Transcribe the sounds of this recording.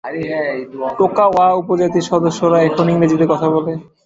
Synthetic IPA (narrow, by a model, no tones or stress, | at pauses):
ʈokaoaupod͡ʑat̪iɾʃɔd̪oʃːoɾaefoniŋmed͡ʑit̪ekɔt̪ʰabole